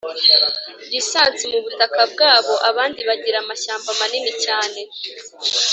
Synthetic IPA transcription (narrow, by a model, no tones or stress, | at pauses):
ɾisaːnt͡simuβutakab̚ɡaːβo̞ʔaβaːndiβaɟiɾamaʃaːmbamaninicaːne̞